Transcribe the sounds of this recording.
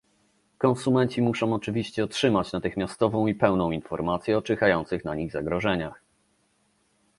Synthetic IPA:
kɔ̃ñsumɛnt͡ɕimuʂɔ̃w̃ɔt͡ʂɘvʲiɕt͡ɕɛɔtʂɘmat͡ɕnat̪ɘxmʲjast̪ɔvɔ̃w̃ipɛwnɔ̃w̃infɔɾmat̪sʲjɛɔt͡ʂɛxajɔnt̪sɘxnaɲiɣzaɡɾɔʐɛɲax

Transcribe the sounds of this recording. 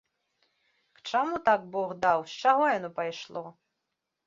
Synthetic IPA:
kt͡ʂamut̪aɡ̚bɔɣd̪awst͡ʂaɣɔjanɔpajʂlˠɔ

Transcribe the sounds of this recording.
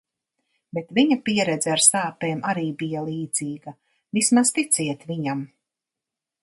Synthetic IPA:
bet̪viɲapiɛɾɛd̪zɛaɾsaːpeːmʔaɾiːbijalˠiːd̪z̥iːɡ̥ɐ | vismazt̪it̪sʲiɛt̪viɲam

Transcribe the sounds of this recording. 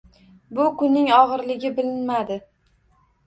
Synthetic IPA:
bʊkʊnːɪŋɒʁɨɾlɪɡʲɪbɪlɪnmad̪ɪ

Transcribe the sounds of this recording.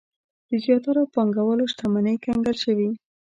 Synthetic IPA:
d̪̥əzjɑt̪aɾapɑŋɡawəloʃt̪amanəjkaŋɡalʃəwi

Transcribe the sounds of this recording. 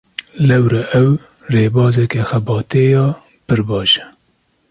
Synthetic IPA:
lɛwɾɛʔɛw | reːbɑːzɛkɛxɛbɑːt̪eːjɑː | pɨɾbɑːʃɛ̥

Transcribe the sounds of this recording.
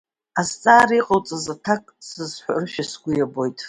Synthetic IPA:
azt͡sʼaːɾiqʼalt͡sʼazatʰakʼsɨzħʷarʃᶣasɡʷʊjabo̞jtʼ

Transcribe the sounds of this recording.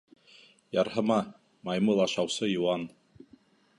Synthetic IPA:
jɑɾhɤ̆mɑ | mɑjmulˠɑʃɑwsɤjŭwɑn

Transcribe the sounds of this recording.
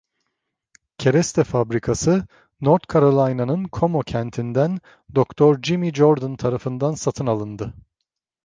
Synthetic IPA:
cʰe̞ɾɛst̪ʰɛfabɾikʰasɯ | noɾt̪kʰaɾolˠajnanɯnkʰo̞mo̞cʰænt̪ʰind̪æn | d̪okt̪ʰɔɾd͡ʒimid͡ʒoɾd̪ant̪ʰaɾafɯnd̪ansat̪ʰɯnalˠɯnd̪ɯ

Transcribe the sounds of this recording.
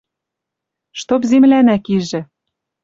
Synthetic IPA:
ʃt̪opzemlænækiʒɘ̆

